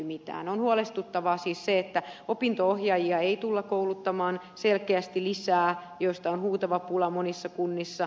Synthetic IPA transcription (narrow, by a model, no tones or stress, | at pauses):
mit̪æ̰ːnonhuolest̪ut̪ːɑʋɑːsiːsseet̪ːæopint̪oohjɑjiɑeit̪ulːɑkoulut̪ːɑmɑːn | selkeæst̪ilisæːjoist̪ɑonhuːt̪ɑʋɑpulɑmonisːɑkunːisːɑ